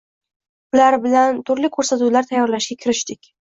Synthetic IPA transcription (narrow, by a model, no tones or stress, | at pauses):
ʊlaɾbɪlant̪ʰʊɾlɪkʲʰɵɾsat̪ulaɾt̪ʰajːɒɾlaʃɡʲakʲʰɪɾɪʃt̪ɪkʲ